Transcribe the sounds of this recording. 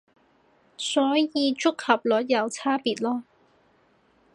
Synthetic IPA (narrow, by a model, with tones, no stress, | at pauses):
sɔː˨˥jjiː˨˧t͡sʊ˥k̚hɐ˨˩p̚lɔː˨˥t̚jɐ˨˧wt͡sʰaː˥piː˨˩t̚lɔː˥